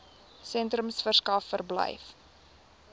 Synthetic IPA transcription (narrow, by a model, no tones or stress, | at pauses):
sɛntrəmsfərskɐfːərblə̰jf